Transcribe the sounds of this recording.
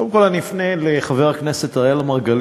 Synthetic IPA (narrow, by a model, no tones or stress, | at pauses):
obemko̞lanifneleχaveʁhakneset̪aʁajalamaʁɡal